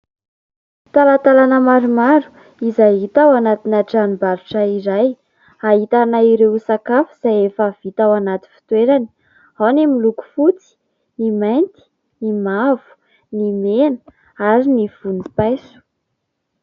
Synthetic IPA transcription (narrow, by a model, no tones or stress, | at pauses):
t̪alat̪alanəmaɾumaɾu̥ | izaɦit̪awanat̪inaʈ͡ʂanibaɾuʈ͡ʂaiɾaj | aɦit̪anaiɾewusakafuz̥ajefav̥it̪awanat̪i̥fi̥t̪weɾani̥ | hanemiluku̥fut͡si̥ | nimajnt̪i̥ | nimavu̥ | nimenə | aɾiniv̥unipajsu̥